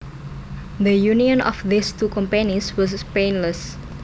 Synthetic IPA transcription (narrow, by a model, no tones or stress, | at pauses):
ðəjuniɔ̃nɔ̰fðist̪ukɔ̃mpɛniswɔs̬penləs